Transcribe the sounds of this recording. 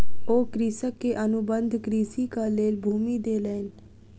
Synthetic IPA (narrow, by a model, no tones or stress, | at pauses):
oːkɾiːsəkːeːʔənʊbənd̪ʱkɾiːsiːkaːleːlbʱuːmiːd̪eːlɛːn